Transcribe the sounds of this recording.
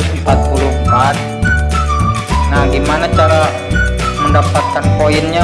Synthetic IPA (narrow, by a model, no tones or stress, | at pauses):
mpat̪̚pulumpat̪̚ | nahɡimanat͡ʃaɾa | məndapat̪̚kanpoinɲa